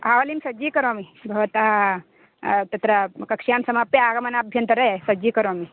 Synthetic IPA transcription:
aʋɐlimsɐd͡ʒiːkɐɾomibʱɐʋɐt̪aɦ | t̪ɐt̪ɾɐkɐkʂjamsɐmapjeaːɡɐmɐnabʱjɐnt̪ɐɾɐesɐd͡ʒiːkɐɾomi

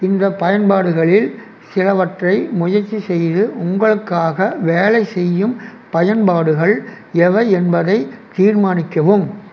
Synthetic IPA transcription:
ɪnd̪ɐpːɐjɐnbaːɽɯɣɐɭɪl | sɪlɐʋɐʈrɐɪmʊjɐɾt͡ʃːisɛjðɯʔʊŋɡɐɭɯkːaːɣɐʋeːlɐɪsɛjːɯm | pɐjɐnbaːɽɯɣɐɭ | ɛʋɐɛnbɐðɐɪt̪iːɾmaːnɪkːɐʋɯm

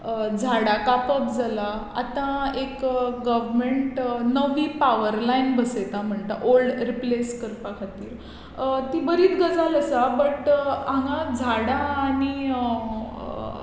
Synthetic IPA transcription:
d͡zʱaɽakapəkd͡zʱalaa̰t̪ãekɡəʋmeɳʈnəʋiːpaʋəɾlainbəset̪am̤əɳt̪a̰ʔolɖɾipleskəɾpakʰat̪iːɾ | t̪ibəɾiːt̪ɡəd͡zaləsabəʈãŋɡãd͡zʱaɽaːɽ̃i

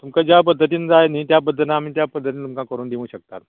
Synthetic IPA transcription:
t̪umkad͡ʑjap̬əd̪ʱːət̪iːnd͡zajniːt̪japəd̪ʱːənamiːt̪japəd̪ʱːət̪iːnt̪umkãkəɾuːnd̪iʋũɕək̚t̪at̪

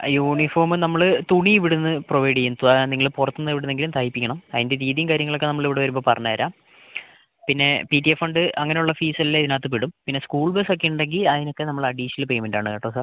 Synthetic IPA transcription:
juːɳifo̞ːrmɨnɐmːɐɭt̪uɳiiʋiɽunːɨproʋɐjɽijent̪uniŋːɐɭpurɐt̪ːunːɨiʋiɽunːeŋɡilumt̪ʰaːjipːikʲːɐɳɐmɐðinde̞tiːðjɐmkaːɾjɐŋːɐɭo̞kːe̞nɐmːɐɭiʋiɽeʋɐɾumboːpɐrɐɲːaɐɾaːm | pinːe̞pitːiefɐɳɖɨʔɐŋːɐneuɭːɐfiːsɐlilːeiðinaːt̪̬ːɨpiɽumpinːe̞skuːɭbesokːeuɳɖe̞ŋɡilɐðino̞kːe̞nɐmːɐɭɐɖiːɕɐlpejmenɖa̰ːɳɨkɐʈːɐːsa

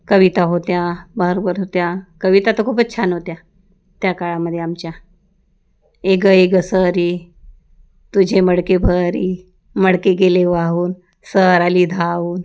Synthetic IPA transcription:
kəʋit̪aɦot̪jabəɾobəɾɦot̪jakəʋit̪at̪əkʰuːpətːt͡ɕʰanɦot̪ja | t̪jakaɭaməd̪ʱːjeamt͡ɕja | eɡəeɡəsəɾi | t̪ud͡ʑʱeməɽkebʱəɾi | məɽkeɡeleʋaɦuːn | səɾalid̪ʱaʋuːn

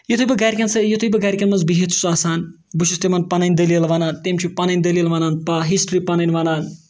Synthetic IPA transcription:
jot̪ʰubɐɡaɾʲkʲɐnsɐjot̪ʰujbɐɡaːɾikʲɐnmɐnzbiɦet̪ʰu̥saːsaːn | buʃʰust̪emɐnpɐnɐjnʲd̪ɐlilʋɐnaːnt̪emʲt͡ʃʰupɐnɐnʲd̪ɐlilʋɐnaːnpɐɦisʈɾipɐnɐnʲʋɐnaːn

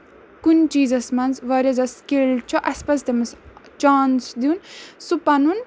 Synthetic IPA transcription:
kunt͡ʃiːzɐsmɐnzʋɐɾʲɐzɐskilt͡ʃʰɔʔɐspɐsd̪emɐst͡ʃaːnsd̪insupɐnun

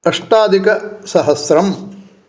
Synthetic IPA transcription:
ɐʂʈaːd̪ikɐsɐɦɐsɾɐm

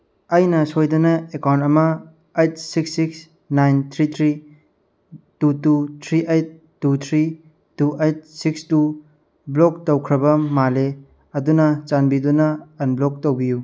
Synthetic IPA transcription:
ɐjnɐsojdunɐekawntɐmɐː | jt̚siksiks | najnt̪ʰɾit̪ʰɾi | tututʰɾiʔejt̚ːut̪ʰɾi | tuʔejt̚sikstu | blok̚towkʰɾɐbɐmale | ɐdunɐt͡ʃanbidunɐːnblok̚towbiju

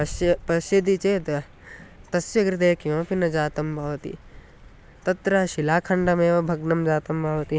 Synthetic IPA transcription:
ɐsjpɐʃjɐd̪it͡ʃeːt̪ɐ | t̪ɐsjɐɡɾit̪eːkijõːpinɐd͡ʒaːt̪ɐmbʱɐʋɐt̪ḭ | t̪ɐt̪ɾɐʃilaːkʰɐɳɖɐmeːʋɐbʱɐɡnɐmd͡ʒaːt̪ɐmbʱɐʋɐt̪i

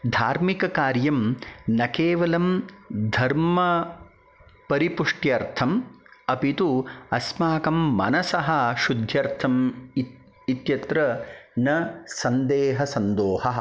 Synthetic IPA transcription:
d̪ʱaːɾmikɐkaːɾjɐmnɐkeːʋɐlɐmd̪ʱɐɾmɐ | pɐɾipuʂʈjɐɾt̪ʰɐmɐpit̪uɐsmaːkɐmːɐ̰nɐsɐɦɐʃud̪ʱjɐɾt̪ʰɐm | it̪jɐt̪ɾɐnɐsɐnd̪eːɦɐsɐnd̪oːhɐɐ

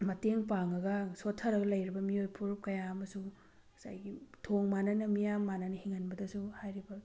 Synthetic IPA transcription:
mɐteŋpaŋɐɡɐsotʰːɐɾɐɡɐlɐjɾibɐmiojpʰuɾup̚kɐjaɐmɐsu̥ | sa̰jɡitʰoŋmanɐnɐmijamːanɐnɐhiŋɐnbɐdɐsuhajɾibɐ

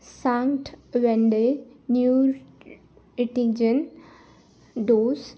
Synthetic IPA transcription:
sãŋʈʋɛ̃ɳɖenjuːɾ | iʈid͡ʒən | ɖoːs

